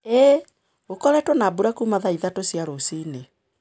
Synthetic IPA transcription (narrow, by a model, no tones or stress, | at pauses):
e | ɣokɔɾɛtwonabuɾakumaðaiðatosiaɾosine